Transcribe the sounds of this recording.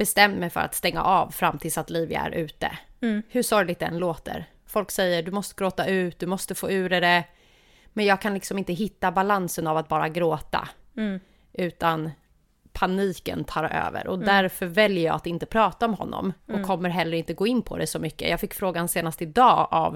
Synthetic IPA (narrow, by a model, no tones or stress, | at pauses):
b̥ɛst̪ɛmd̪mɛjfœ̰ɾa̰t̪st̪ɛŋːa̰ʔavfɾamːt̪ʰɪlsat̪liːvɪa̰æ̰ɾʔʉ̟ːt̪ə̰hɵʂɔɾjlɪɡ̚t̪̚d̪ɛ̰nloːt̪ə̰ɾ | fɔlksɛjːəɖɵmɔst̪əɡɾoːt̪aʉ̟ːt̪̚d̪ɵmɔst̪əfoːʉ̟ːɾɛdɛ | mɛnjɑːɡ̚kʰanlɪksɔmɪnt̪əɦɪt̪ːabalansənavat̪̚bɑːɾaɡɾoːt̪a̰ | ʔʉ̟ːt̪an | pʰaniːkə̰nt̪ʰɑːɾaʔø̰ːvə̰ɾɔd̪æɾfœɾvɛljəjɑ̰ːat̪ɪnt̪əpʰɾɑːt̪aɔmɦɔ̰nːɔ̰mɔkʰːɔmːəɾɦɛlːəɾɪnt̪əɡoːɪnːpʰɔ̰d̪ɛsɔmʏkːə̰jʔɑːɡfɪkːfɾoːɡanseːnast̪əɪd̪ɑːʔa̰v